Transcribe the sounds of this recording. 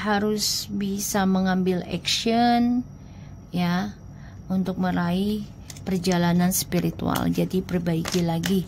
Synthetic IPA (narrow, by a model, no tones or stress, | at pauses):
haɾʊsbisaməŋambɪlɛ̰ksiɔn | ja | unt̪ʊk̚məɾai | pərd͡ʒalananspiɾit̪ṵa̰ld͡ʒadipərbaikilaɡi